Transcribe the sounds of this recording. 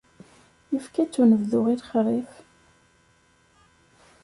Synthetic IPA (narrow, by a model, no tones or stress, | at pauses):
jəfkæt͡sːunəvðʊʁiɾχɾˤif